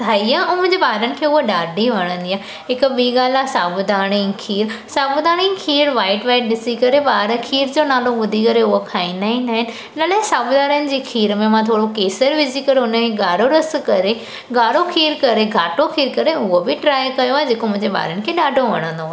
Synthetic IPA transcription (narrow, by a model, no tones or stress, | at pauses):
t̪ʰaːiaːũmʊ̃ɦɪ̃ɲd͡ʑeɓaːɦɾənɪ̆kʰeːʊɦoɗaːɖʱiʋɐɽ̃ə̃nd̪iaː | ɦɪkʊ̆ɓiːɠaːlasaːbʊd̪aːɽ̃ikʰiːɾsaːbʊd̪aːɽ̃ĩkʰiːɾʋaːɪʈʋaːɪʈɗɪsikɐɾeɓaːɦɾəkʰiːɾd͡ʑoːnaːloɓʊd̪ʱikɐɾeʊɦokʰaːĩnd̪aːɦĩnd̪aːɦɪnɪ̆ | ɪnəlaːesaːbd̪aːɾənɪ̆d͡ʑiːkʰiːɾmẽmãt̪ʰoːɽokeːsəɾʋɪd͡ʑikɐɾeʊnəkʰeɠaːɽoɾɐskɐɾe | ɡaːɽokʰiːɾkɐɾeɡʱaːʈokʰiːɾkɐɾeʊɦobɪʈɾaːjkɐjoaːɦed͡ʑeːkomʊ̃ɦɪ̃ɲd͡ʑeɓa̰ːɾənɪ̆kʰeːɗaːɖʱoʋɐ̰ɽ̃ə̃nd̪oa